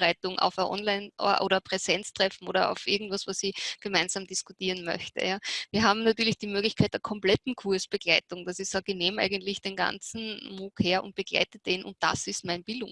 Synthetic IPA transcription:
ʁaɪtʊŋʔa̰ʊfəʔɔ̰nlaɪnʔɔɐʔo̰ːɾɐpʁ̥ɛzɛnt͡stʁ̥ɛfn̩oːɾɐa̰ʊfʔɪɐɡŋ̩tv̥asvasiɡ̥əmaɪnz̥aːmd̥ɪskʊtiːɐənmœ̰çtə̰jaːviːɐɦaːbm̩natyːɐlɪçd̥iːmøːɡlɪçkʰaɪt̚d̥eːɐkʰɔmplɛtn̩kʰuɐsb̥əɡlaɪtʊŋd̥asɪçsaːɡəneːmʔæ̰ɪɡəntlɪçd̥eːnɡa̰nt͡sn̩muːkheːɐʔʊ̰nt̚b̥əɡ̥la̰ɪtəd̥eːnʊ̰nt̚d̥a̰sɪstmaɪnb̥ɪldʊŋ

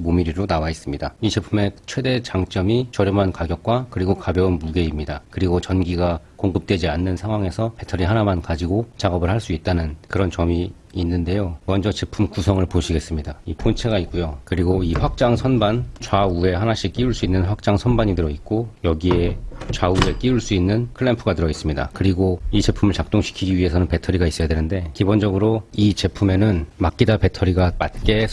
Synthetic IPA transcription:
momiɾiɾonawais͈ɯmɲidait͡ɕepʰume̞t͡ɕʰwe̞de̞t͡ɕaŋt͡ɕ͈ʌmit͡ɕʌɾjʌmɦankaɡjʌk̚k͈wakɯɾiɡokabjʌunmuɡe̞imɲidakɯɾiɡot͡ɕʌnɡiɡakoŋɡɯp̚t͈we̞d͡ʑianːɯnsʰaŋwaŋe̞sʰʌpʰe̞tʰʌɾiɦanamankad͡ʑiɡot͡ɕaɡʌbɯɭhaɭs͈uit̚t͈anɯnkɯɾʌnt͡ɕʌmi | inːɯnde̞jomʌnd͡ʑʌt͡ɕepʰumkusʰʌŋɯɭpoɕʰiɡe̞s͈ɯmɲidaipʰont͡ɕʰeɡaik̚k͈ujokɯɾiɡoiɸwak̚t͡ɕ͈aŋsʰʌnbant͡ɕwaue̞hanaɕʰik͈iuɭs͈uinːɯnɸak̚t͡ɕ͈aŋsʰʌnbaɲidɯɾʌit̚k͈ojʌɡie̞t͡ɕwaue̞k͈iuɭs͈uinːɯnkʰɯɭːempʰuɡatɯɾʌis͈ɯmɲida̰kɯɾiɡoit͡ɕe̞pʰumɯɭt͡ɕak̚t͈oŋɕʰi̥kʰiɡiɥiɦe̞sʰʌnɯnpe̞tʰʌɾiɡais͈ʌjadwenɯnde̞kibond͡ʑʌɡɯɾoit͡ɕe̞pʰume̞nɯnmak͈idape̞tʰʌɾiɡapat̚k͈e̞

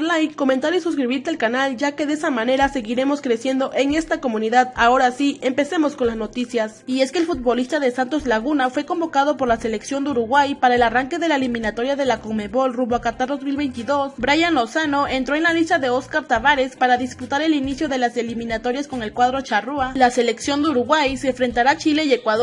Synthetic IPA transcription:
ɾlajkːo̞mẽnt̪aɾisuskɾiβiɾt̪ealkanald͡ʒake̞ðesamãne̞ɾase̞ɣiɾe̞mo̞skɾe̞sje̞nd̪o̞ʔe̞ŋe̞st̪ako̞mũniðaðao̞ɾasiempe̞se̞mo̞sko̞nlazno̞t̪isjasie̞skelfut̪̚bo̞list̪aðe̞sant̪o̞zlaɣunafwe̞ko̞mbo̞kað̞o̞po̞ɾlase̞leksjo̞nd̪euɾuɣwajpaɾae̞laraŋke̞ðe̞laelimĩnat̪o̞ɾjaðe̞lakome̞βo̞lruβakat̪aɾðozmilβe̞jnt̪iðo̞sbɾajanlosano̞e̞nt̪ɾo̞e̞nlalist̪aðe̞o̞skaɾt̪aβaɾe̞spaɾaðisput̪aɾe̞linisjo̞ðe̞laselimĩnat̪o̞ɾjasko̞ŋe̞lkwaðɾo̞t͡ʃarualase̞le̞ksjo̞nd̪euɾuɣwajseɱfɾe̞nt̪aɾat͡ʃile̞ie̞kwaðo

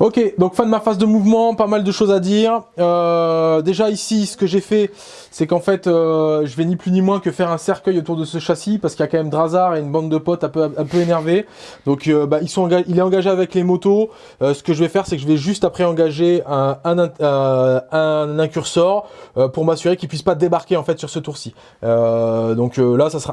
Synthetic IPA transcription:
okʲed̪ɔ̃kfɛ̃d̪əmafazd̪əmuvmɑ̃pamald̪əʃozad̪iːʁød̪eʒaisisə̥kəʒefɛ | sɛkɑ̃fɛt̪øʒəvɛniplynimwɛ̃kəfɛʁɛ̃sɛʁkʲœjot̪uʁd̪əsəʃasipaʁsəkiljakɑ̃mɛmd̪ʁazaʁeynbɑ̃d̪ːəpɔt̪ɛ̃pøɛ̃pøenɛʁve | d̪ɔ̃købailsɔ̃ɑ̃ɡaʒilɛt̪ɑ̃ɡaʒeavɛklemɔt̪o | øsə̥kəʒəvɛfɛʁsɛkəʒəvɛʒyst̪apχɛɑ̃ɡaʒeɛ̃ɛ̃nɛ̃ | ɛ̃nɛ̃kʲyʁsɔʁøpuʁmasyʁekilpɥispad̪ebaʁkʲeɑ̃fɛt̪syʁsət̪uʁsi | ød̪ɔ̃kølasasʁa

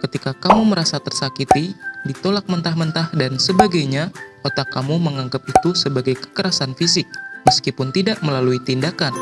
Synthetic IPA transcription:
kət̪ikakamuməɾasat̪ərsakit̪idit̪olak̚mənt̪ahmənt̪ahdansəbaɡajɲaot̪akːamuməŋaŋɡap̚it̪usəbaɡajkə̥kəɾasanfisɪk̚məskipʊnt̪idaʔməlaluit̪indakan

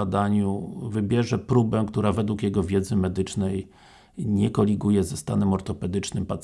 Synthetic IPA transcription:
d̪aɲuvɘbʲjɛʐɛpɾubɛkt̪uɾavɛd̪wukjɛɡɔvʲjɛd̪zɘmɛd̪ɘt͡ʂnɛj | ɲɛkɔlʲiɡujɛzɛst̪anɛmɔɾt̪ɔpɛd̪ɘt͡ʂnɘmpat̪s

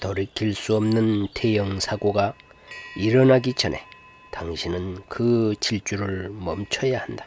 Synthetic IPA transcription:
tʌɾikʰiɭs͈uʌmnɯntʰe̞jʌŋsʰaɡoɡa | iɾʌnaɡit͡ɕʰʌne̞ | taŋɕʰinɯnkɯt͡ɕiɭt͡ɕ͈uɾɯɭmʌmt͡ɕʰʌjahandḁ

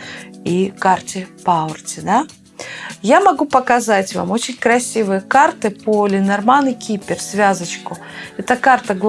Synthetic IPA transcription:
ikartʲɪpaʊrtʲɪd̪a | jamɐɡupəkɐzatʲva̰mo̞t͡ɕɪnʲkɾɐsʲivɨjəkart̪ɨpolʲɪnɐrmanɨkʲipʲɪrsvʲazət͡ɕkʊɛt̪əkart̪əɡlˠ

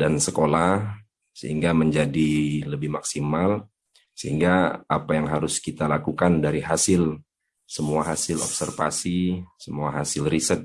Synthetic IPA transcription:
dansəkola | sə̰hiŋɡaməɲd͡ʒadiləbɪhmaksimal | səɦiŋɡaapajaŋɦaɾʊskit̪alakukandaɾiɦasɪl | səmuaɦasɪlɔ̰p̚sərfa̰sisəmuaɦasɪlrisət̪̚

